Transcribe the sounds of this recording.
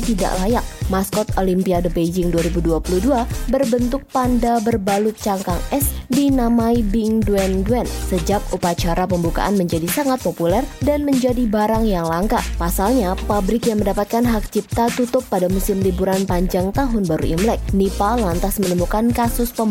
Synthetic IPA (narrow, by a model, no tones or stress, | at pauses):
t̪ida̰ʔlajak̚maskɔt̪olimpiadəbed͡ʒɪŋduaɾibuduapuluduabərbənt̪ʊk̚pandabərbalʊt̪̚t͡ʃaŋkaŋɛsdinamajbɪŋduɛndɛnsəd͡ʒakupat͡ʃaɾap̬əmbuka̰ʔanməɲd͡ʒadisaŋat̪̚populɛrdanməɲd͡ʒadibaɾaŋjaŋlaŋkapasalɲapabɾɪkjaŋməndapat̪̚kanɦak̚t͡ʃip̚t̪at̪ut̪ʊpːadamusɪmlibuɾanpaɲd͡ʒaŋt̪aɦʊnbaɾṵḭmlɛk̚nipalant̪asmənəmukankasʊspəm